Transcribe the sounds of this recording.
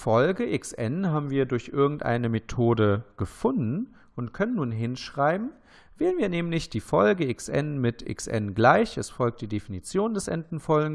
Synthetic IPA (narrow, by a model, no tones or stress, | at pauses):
fɔlɡəʔɪksʔɛ̰nɦaːbm̩viːɐdʊɐçʔɪɐɡŋ̩tʔa̰ɪnəmetʰoːdəɡ̥əfʊndn̩ | ʔʊntkʰœnənːuːnɦɪnʃʁ̥aɪbm̩ | v̥ɛːlənviːɐnɛːmlɪçd̥iːfɔlɡəɪksʔɛ̰nmɪtʰɪ̰ksʔɛ̰nɡlaɪçɛsfɔlk̚td̥iːdefinit͡sjoːndɛsʔɛ̰ntn̩fɔlɡŋ